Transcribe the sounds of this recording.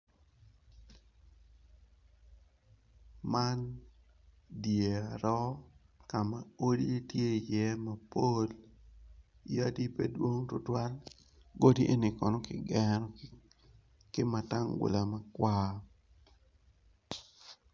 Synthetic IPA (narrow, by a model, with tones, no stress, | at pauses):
ma˦n | dje˨a˨ɾɔ˦ | ka˨ma˨o˦di˦tje˦˨jɛ˦ma˨po˦l | ja˦di˦pe˦dwo˦ŋtʊ˦twa˦l | ɡo˦di˦ʔe˦ni˨kɔ˨nɔ˦kɪ̰˨ɡɛɾɔ˨ | kɪ˦ma˨ta˦ŋɡʊ̰˨la˨ma˨kwa˦